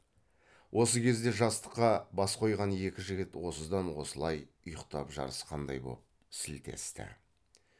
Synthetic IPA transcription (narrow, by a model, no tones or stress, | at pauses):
wʔo̞səkʲʰe̞zd̪e̞ʒɑst̪ə̥qːɑbɑsqʰo̞jʁɑne̞kʲɪʒɪɡʲɪt̪wo̞səzd̪ɑnwo̞səlˠɑj | ʊjəqt̪ɑpʒɑ̰ɾəsqʰɑnd̪ɑ̰jbo̞̰p̚ | sɪlt̪ʰe̞̰st̪ɪ̰